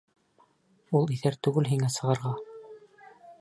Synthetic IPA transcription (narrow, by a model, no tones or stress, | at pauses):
ulˠiθæɾt̪ʉɡɘlɦiŋæsɤ̆ʁɤ̆ɾʁɑ